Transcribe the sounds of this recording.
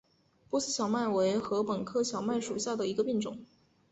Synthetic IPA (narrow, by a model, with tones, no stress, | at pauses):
pu˥˧sɹ̩˥˩ɕʰjɑ˨˩ʊma˥˩nwe˧˥ɪxɤ˧˥pə˨˩nkʰɤ˥˩ɕʰjɑ˨˩ʊma˥˩nʂu˨˩ɕja˥˩d̪ə˩i˧˥ɡə˧pi˥˩ŋʈ͡ʂʊ̰˨˩˦ŋ